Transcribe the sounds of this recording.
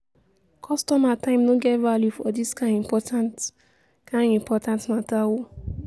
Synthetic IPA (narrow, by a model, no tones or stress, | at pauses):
kʰɔstɔmatãɪ̃mnoɡɛtvaljufɔdiskãĩmpɔtʰãnt | kãnĩmpɔtãntnatawo